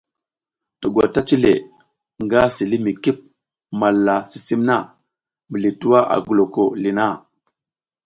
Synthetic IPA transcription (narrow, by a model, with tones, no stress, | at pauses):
tu˨ɡwa̰˨ta˦t͡ʃi˦le˨ | ŋɡa˦si˨li˦mi˨ki˦p̚ | ma˨lːa˨si˦si˦mna˦˨ | mbə˨li˨tu˦wa˦ʔa̰˨ɡu˨lo˨ko˦˨li˨na˦˨